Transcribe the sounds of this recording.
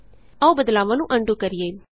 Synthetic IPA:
əoːbəd̪laːʋãːnũːʔəɳɖuːkəɾɪjeː

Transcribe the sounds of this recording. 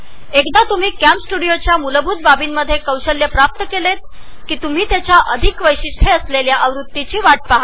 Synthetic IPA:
ekd̪at̪um̤iːkæmpsʈuɽijot͡ɕjamuləbʱuːt̪̚babiːnməd̪ʱːjekəwɕəljəpɾap̚t̪əkelet̪̚kiːt̪um̤iːt̪jat͡ɕjaʔəd̪ʱikʋəjɕiʈʰeəsleljaʔəʋɾut̪ːit͡ɕiːʋaʈ̚paɦa

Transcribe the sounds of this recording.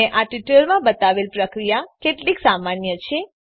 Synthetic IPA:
eʔaʈiʈəɾmãbət̪aʋelpɾəkɾijakeʈliksamanjət͡ʃʰe

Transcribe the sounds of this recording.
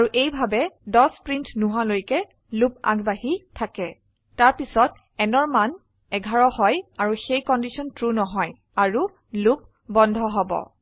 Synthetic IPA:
aɹuʔejbʱabɛdɔspɹintʰnuɦalojkɛ | lup̚a̰ɡbahitʰakɛ | taɹpisɔt̚ | ɛnɔɹman | ɛɡʱaɹɔhɔjaɹuxejkɔndisʰɔntɹunɔɦɔj | aɹu | lup̚ | bɔndʱɔɦɔbɔ̰

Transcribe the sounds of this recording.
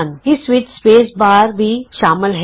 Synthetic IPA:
nɪsʋɪt͡ʃspeːsbaːɾbʱiːʃaːmɪlɦ

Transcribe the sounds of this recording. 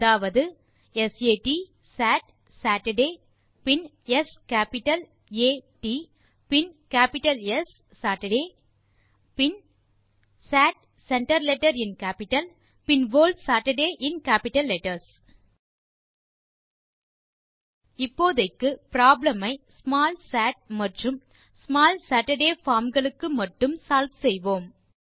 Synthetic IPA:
ɐðaːʋɐðɯ | ɛseːʈi | saːʈ | saːʈɐɖeː | pɪn | ɛskaːpɪʈːɐl | eːʈi | pɪnkaːpɪʈɐlɛsː | aːʈɐɖeː | pɪn | saːʈ̚ | sɛɳʈɐɾlɛʈːɐɾɪnkaːpɪʈːɐl | pɪnʋoːlɖsaːʈɐɖeːʔɪnkaːpɪʈːɐlːɛʈːɐɾs | ɪpːoːðɐɪkːɯpɾaːblɐmɐɪsmaːlsaːʈ̚mɐʈrɯm | smaːlsaːʈɐɖeːfaːɾmɡɐɭɯkːɯmɐʈːɯmsaːlʋsɛjʋoːm

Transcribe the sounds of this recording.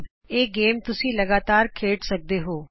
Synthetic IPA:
eːɡeːmt̪ʊsĩːləɡaːt̪aːɾkʰeːʈsək̚d̪eːɦoː

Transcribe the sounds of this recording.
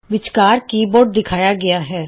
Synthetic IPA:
ʋɪt͡ʃkaːɾkiːboːʈ̚d̪ɪkʰaːjaːɡɪjaːɦɛː

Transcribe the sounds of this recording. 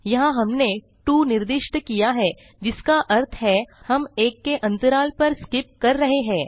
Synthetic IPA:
jɐɦãɦɐmne | ʈuːnɪɾd̪ɪʃʈəkijaɦɛː | d͡ʒɪskaʔɐɾt̪ʰɦɛhɐmeːkːeʔɐ̃nt̪əɾaːlpɐɾskɪp̚kɐɾːɐɦeɦɛ̃ː

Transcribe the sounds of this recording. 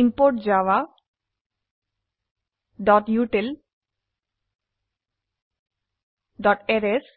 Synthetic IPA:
impoɾʈd͡ʑawa | ɖɔʈjuʈel | ɖɔʈɛɾes

